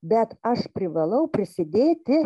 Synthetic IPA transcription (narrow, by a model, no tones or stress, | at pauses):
bʲɛt̪ɐʃpʲɾʲɪʋɐlˠɐʊpʲɾʲɪsʲɪd̪ʲeːt̪ʲɪ